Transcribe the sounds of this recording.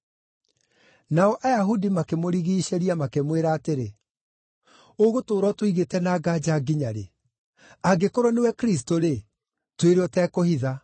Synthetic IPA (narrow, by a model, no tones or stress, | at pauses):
naɔʔajaɦudimakemoɾiɣiːʃeɾiamakemweɾaːteɾe | oɣotoːɾɔtwoiɣetɛnaːɡad͡ʑaːɡiɲaɾḛ | aɡekoɾɔnewɛkɾis̬toɾe | tweɾɔtɛːkohiða